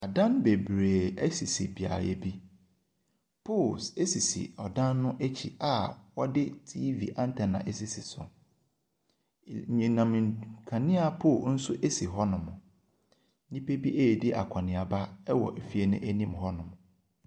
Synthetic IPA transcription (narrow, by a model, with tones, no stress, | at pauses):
a˨dã˦nbe˨bɾeː˨ɛ˦si˨si˨bi˨a̰˨ɾɛ̰˨bi˦ | pʰo˦˨lse˦si˨sḭ˨ɔ˨dã˦nːʊ̃˦ʔæ˦t͡ɕʰḭ˨ʔa˨wɔ˦dɪ˦tʰi˦vḭ˨ʔã˦n˦tʰɛ˨nã̰˨ʔe˦si˨si˨sʊ̰˨ | ɲɛ̃˨nã˨m̃˨kʰã˨nɪ̃˦a˨pʰo˦˨n̩˦sʊ˦ʔe˦si˨ɦɔ˦nʊ̃˨mʊ̃˨˦ | nĩ˦pe˦bi˦ʔeː˦˨dɪ˦ʔa̰˨kʷʰa˨nɪ̃˨a˨ba˦wɔ̰˨ʔæ˨fi˦e˦nʊ̰̃˦ʔæ˦nĩ˦mhɔ˦nʊ̃˨mʊ̃˨